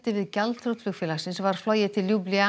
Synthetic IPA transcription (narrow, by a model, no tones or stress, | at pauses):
t̪ɪvɪðcalt̪ʰɾuwt̪flʏxfɪːlasɪnsvaɾ̥flɔːjɪt̪ʰɪlːjuplia